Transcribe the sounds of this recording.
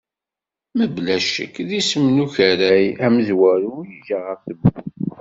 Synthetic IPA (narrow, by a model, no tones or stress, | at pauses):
məblæʃə̰kðisəmnuçəɾæjæməzwæɾujiʝaʁəɾθəbːu